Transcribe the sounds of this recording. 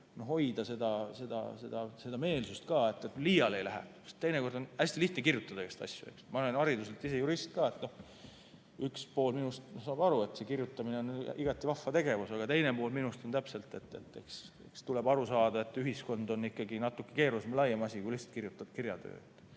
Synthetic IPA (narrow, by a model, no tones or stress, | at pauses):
no̞hho̞jd̪̥ɑse̞d̪̥ɑse̞d̪̥ɑ̰se̞d̪̥ɑse̞d̪ɑme̞ːlsust̪̚kɑːe̞t̪ːet̪liːjɑle̞jlæɦæ̰u̥st̪ejneko̞rd̪o̞næsʲt̪iliht̪nekirjut̪ːˑɑd̪ɑke̞st̪ɑ̰sʲjṵe̞̰ksmɑlenɑɾid̪us̬e̞lt̪ːise̞juɾist̪̚kɑːe̞t̪no̞h | ykspo̞ːlminust̪nosɑːbɑɾue̞t̪se̞kirjut̪ːˑɑmineo̞niɡ̥ɑt̪ːˑivɑfːɑt̪e̞ɡe̞vusɑɡ̥ɑt̪ejnepo̞ːlminust̪ont̪æpse̞lt̪ˑe̞t̪ːˑe̞t̪ːˑe̞̰kse̞̰kst̪ule̞bɑɾusɑːd̪̥ɑe̞t̪ːˑyɦisko̞nd̪̥o̞nikːˑɑɡinɑt̪ːˑukːe̥ke̞ːɾusemlɑjːemɑsʲikujlihst̪kirjut̪ːˑɑ̥kiɾjɑt̪ø̰ːet̪ːˑ